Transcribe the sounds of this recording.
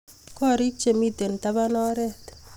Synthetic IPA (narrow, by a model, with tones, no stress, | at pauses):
kɔ˦˨ɾi˦k̚t͡ʃe˨mi˦t̪e˨n˨ta˦βa˦nɔ˦ɾɛ˦t̪